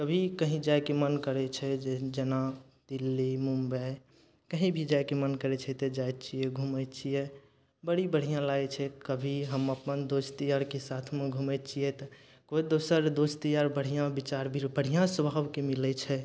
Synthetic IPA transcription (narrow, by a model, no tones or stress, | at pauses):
kəbʱikəɦĩd͡ʒaekemənkəɾɛt͡ʃʰɛd͡ʒed͡ʒəna | d̪̥ilːimumbɛ | kəɦĩbʱid͡ʒajkemənkəɾɛt͡ʃʰɛt̪ɔd͡ʒajt̪t͡ʃʰijɛɡʱumət̪t͡ʃʰijɛ | bəɽibəɽ̤ijãlaɛt͡ʃʰɛkəbʱiɦəməpənd̪ost̪ijaɾkesat̪ʰmẽɡʱumɛt̪t͡ʃʰijɛt̪ɔ | koid̪osəɾd̪ost̪ijaɾbəɽ̤ijãbit͡ʃaɾbʱiɾbəɽ̤ijãsəbʱabkemilɛt͡ʃʰɛ